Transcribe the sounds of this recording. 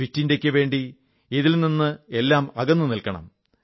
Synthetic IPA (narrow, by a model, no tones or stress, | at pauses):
itːinde̞kʲːɨʋe̞ːɳɖi | iðilninːɨe̞lːaːmɐɣɐnːɨnilkɐɳɐ̰m